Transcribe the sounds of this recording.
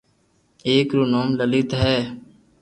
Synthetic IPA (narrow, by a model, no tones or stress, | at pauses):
eːkɾuːnoːmləlɪt̪ɦɛː